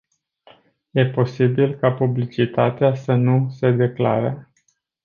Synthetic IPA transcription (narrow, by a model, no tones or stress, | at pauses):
je̞po̞sibilkapublit͡ʃit̪at̪easənuse̞d̪e̞kla̰ɾə